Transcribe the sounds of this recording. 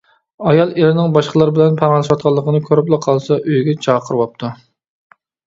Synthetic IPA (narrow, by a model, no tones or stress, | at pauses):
ɑjɑlˠelɪnɪŋbɑʃqəlˠɑɾbɪlɛnpʰɑɾŋlˠɛʃwɑt̪̚qʰɑlˠːəqʰənɨkʲʰøɾɪp̬lˠɨqʰɑlˠsɑʔøjɡʲɛt͡ʃʰɑqʰəɾwɑp̚t̪ʰu